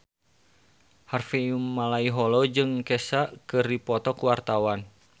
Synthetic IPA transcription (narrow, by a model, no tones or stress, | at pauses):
harfiumːalaiɦɔlɔd͡ʒɨŋkɛsaʔkɨrdipɔt̪ɔkuwart̪awan